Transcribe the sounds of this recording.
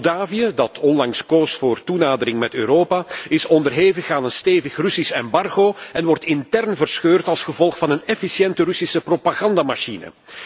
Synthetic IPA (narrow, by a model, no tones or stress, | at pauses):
daːvijədɑtʰɔnlɑŋskoːstfoːrtunaːdəɾɪŋmɛtøːɾoːpaːɪsɔndərɦeːvəxaːnənsteːvəxrʏsisɛmbɑrɣoːɛnʋɔrtɪntɛrnvərsxøːrtɑlˠsxəvɔlˠxfɑnənɛfisjɛntərʏsisəpropaɣɑndamaʃinə̰